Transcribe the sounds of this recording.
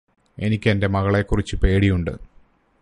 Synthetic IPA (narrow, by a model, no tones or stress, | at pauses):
e̞̰nikʲːende̞mɐɣɐɭekːurit͡ɕːɨpe̞ːɽijuɳɖɨ̰